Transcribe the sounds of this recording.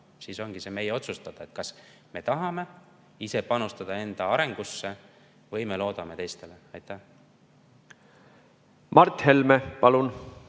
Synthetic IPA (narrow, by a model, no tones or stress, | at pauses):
siːso̞ŋɡ̥ise̞ːme̞jeo̞t̪sust̪ɑd̪̥ɑe̞t̪̚kɑs | me̞t̪ɑɦɑme̞ | ise̞pɑnust̪ɑd̪̥ɑe̞nd̪̥ɑɑɾe̞ŋɡ̥usːe̞ | vɤjme̞lo̞ːd̪̥ɑme̞t̪e̞jst̪e̞le̞ɑjt̪ːˑæh | mɑrt̪he̞lmepɑlun